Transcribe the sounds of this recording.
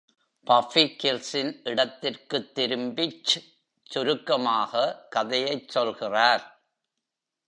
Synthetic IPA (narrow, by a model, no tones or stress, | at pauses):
pɐfikɪlsɪnʔɪɽɐt̪ːɪrkɯt̪ːɪɾɯmbɪt͡ʃː | t͡ʃːʊɾɯkːɐmaːɣɐkɐðɐjɐɪt͡ʃsɔlɣɪraːɾ